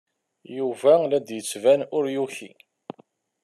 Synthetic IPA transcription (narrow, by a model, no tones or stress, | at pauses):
juvælæd̪jət͡sːvænʊɾjuçḭ